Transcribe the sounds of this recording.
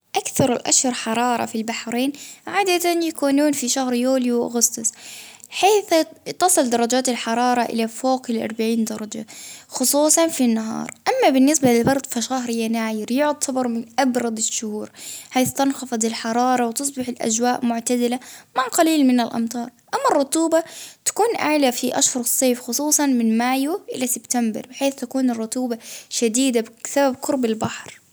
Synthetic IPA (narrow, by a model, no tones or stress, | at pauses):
ʔakθɑɾˤɪlʔa̰ʃhʊɾˤħɑɾˤɑːɾˤɑ̰filbaħɾeːnʕaːd̪at̪anjakuːnuːnfiʃahɾjuːliwʔʊ̰ɣʊst̪ʊsˤħeːθt̪ɑsˤɨld̪ɑɾˤɑd͡ʒaːt̪ɪlħɑɾˤɑːɾˤɑʔɪ̰lafoːqlʔɑ̰ɾˤbaʕiːnd̪ɑɾˤɑd͡ʒa̰xʊsˤuːsˤɑnfinːaɦɑ̰ːɾˤʔamːabɪnːɪsbalɪlbɑɾˤd̪ˤfaʃahɾjanaːjɪɾjʊʕd̪sɑbɑɾˤmɪnʔabɾˤɑd̪ˤɪʃːʊhuːɾħaːθt̪ɑnxɑfɑd̪ˤɪlħɑɾˤɑːɾˤɑwt̪ɨs̬ˤbɪħɪlʔa̰d͡ʒwaːʔmʊʕt̪ad̪ɪlamaʕqɑliːlmɪnalʔɑ̰mt̪ˤɑːɾˤʔamːɑrˤːʊt̪ˤuːbat̪ḁkuːnʔaʕlafiʔa̰ʃhʊɾˤsˤːeːfxʊsˤuːsˤɑnmɪnmaːjuʔɪlasɪbt̪ambɑ̰ɾˤbɪħeːθt̪akuːnɪrˤːʊt̪uːbaʃad̪iːd̪absababkʊɾbalbaħɾ